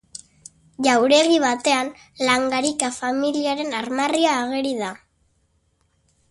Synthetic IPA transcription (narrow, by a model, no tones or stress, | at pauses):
ʝawɾe̞ɣiβat̪e̞an | laŋɡaɾikafamiliaɾe̞naɾmariaːɣ̞e̞ɾiða